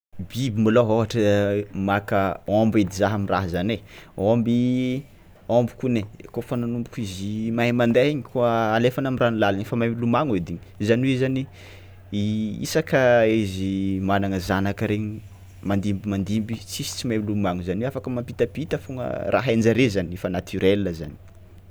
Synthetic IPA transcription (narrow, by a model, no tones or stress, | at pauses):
bibimiloɦoɦaʈ͡ʂəmakəɔmbed̪izaɦəmira̰ɦzaneombi | ɔmbu̥kunekofananumbukizimaɦemand̪aɦiɲikuəːlefanamiranulalanefəmajmilumaŋed̪iɲizaniwizani | ḭsakəizimananəzanakəɾeɲi | mand̪imbimand̪imbit͡sisi̥t͡simamilumaŋuzaneafakəmampit̪apit̪əfuŋə̰rʔa̰ɦend͡ʒaɾezaniefənat̪ʰyɾelːəza̰ni̥